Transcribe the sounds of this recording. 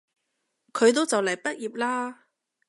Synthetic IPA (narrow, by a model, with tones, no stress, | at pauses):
kʰɵ˨˧ɥt̪̬o˥wt͡sɐ˨wlɐ˨˩jpɐ˥t̚jiː˨˩p̚laː˥